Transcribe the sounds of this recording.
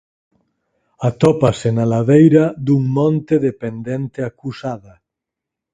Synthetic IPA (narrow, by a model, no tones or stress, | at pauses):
at̪ɔpasenalaðejɾad̪uŋmɔ̃nt̪eðepend̪ent̪eakusaða